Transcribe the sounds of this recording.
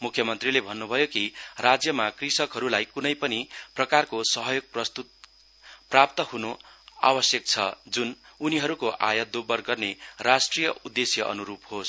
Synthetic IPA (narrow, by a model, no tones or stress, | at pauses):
mukʰjʌmʌnt̪rilebʱʌnːubʱʌjokirad͡zjʌmakrisʌkɦʌɾulajkunʌjpʌniprʌkarkosʌɦʌjoɡ̚prʌst̪ut̪̚ | prap̚t̪ʌhunoa̰wʌsjʌk̚t͡sʰʌ̰d͡zununiɦʌɾukoʔa̰jʌd̪obʌrɡʌrnerasʈrijʌud̪ːesjʌʔʌ̰nuɾuphos